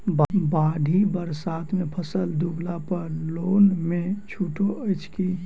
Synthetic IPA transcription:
bbaːɖ̪ʱibəɾsaːt̪ʰmepʰəsəld̪uɡlapəɾloːnmet͡ʃʰuːʈoʔət͡ʃʰki

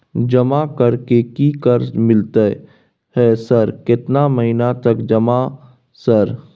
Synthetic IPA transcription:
d͡ʒəmakəɾkekikəɾmɪlt̪ə | hɛːsəɾkɪt̪naməɦinat̪əkd͡ʒəma | səɾ

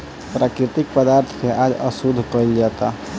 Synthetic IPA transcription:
pɾaːkɾɪt̪ɪk̚pəd̪aːɾt̪ʰkʰeʔaːd͡ʒə̰sud̪ʱkəild͡ʒaːt̪a̰

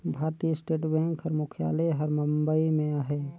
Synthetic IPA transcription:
bʱaːɾt̪isʈeːʈbɛ̃ːŋkʰhəɾmukʰja̰ːleɦəɾməmbəimẽaɦe

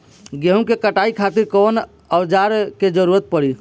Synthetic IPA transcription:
ɡeɦũkekəʈaikʰat̪iɾkon | əwd͡ʒaɾked͡ʒəɾuɾət̪̚pəɽi

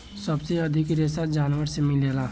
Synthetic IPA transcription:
səbseɐd̪ʱɪkɾesad͡ʒaːnʋəɾsemɪleːlaː

